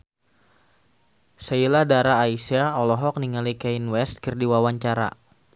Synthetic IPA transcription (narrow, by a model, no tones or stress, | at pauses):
sailadaɾaːisiaɔlɔɦɔk̚niŋalikɛinwɛst̪̚kərdiwawaɲt͡ʃaɾa̰